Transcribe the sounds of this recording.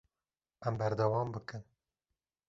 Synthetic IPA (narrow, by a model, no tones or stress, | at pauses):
ɛmbɛɾd̪ɛwɑːmbɨkɨn